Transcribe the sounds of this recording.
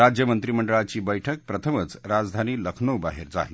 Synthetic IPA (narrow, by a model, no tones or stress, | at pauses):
ad͡ʑjəmənt̪ɾiməɳɖəɭat͡ɕiːbəjʈʰək̚pɾət̪ʰəmət͡sɾad͡zd̪ʱaniːləkʰnəwbaɦeɾd͡za̰ɦi